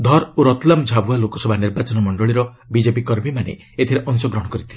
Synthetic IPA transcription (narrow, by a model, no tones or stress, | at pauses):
d̪ʱɔɾoɾɔt̪lamd͡ʒʱabualokɔsɔbʱaniɾbat͡ʃɔnɔmɔɳɖɔɭiɾɔ | bid͡ʒepikɔɾmimanḛ | et̪ʰiɾeʔɔŋsɔɡɾɔɽ̃ɔkɔɾit̪ʰile